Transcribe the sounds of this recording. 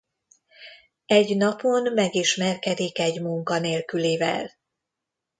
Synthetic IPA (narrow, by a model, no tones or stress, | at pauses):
ɛɟnɒpo̞nmɛɡiʃmɛrkɛd̪ikɛɟmuŋkɒneːlkyleːvɛ̰l